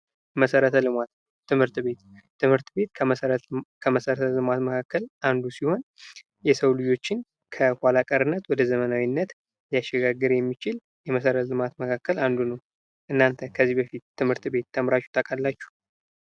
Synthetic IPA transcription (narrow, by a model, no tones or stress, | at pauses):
məsəɾət̪ʰəlɨmat̪ː | ɨmhɨɾt̪be̞t̪ː | ɨmhɨɾt̪be̞t̪kʰəəɾəkʰəməsəɾət̪ʰəlɨmat̪məkʰakːəlʔand̪usiho̞n | jɛsəwlɨd͡ʒo̞t͡ʃːɪn | kʰəkʷalakʼəɾɨnːət̪wɔd̪əzəmənawinːət̪ | jaʃːɛɡaɡːɨɾjɛmːit͡ʃɪl | jɛməsəɾət̪lɨmat̪məkʰakːəland̪unəw | ʔɨnːant̪ʰəkʰəzːibəfit̪ːɨmhɨɾt̪be̞t̪ʰːəmɾat͡ʃːu̥t̪ʰəkʼalːat͡ʃːu̥